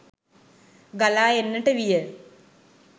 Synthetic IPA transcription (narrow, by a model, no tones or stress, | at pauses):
ɡɐlaːenːiʈːɨʋijɐ